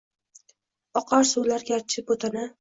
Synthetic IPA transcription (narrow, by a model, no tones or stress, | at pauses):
ɒqʰɑɾsulaɾɡʲaɾt͡ʃʰɪp̚bot̪ʰana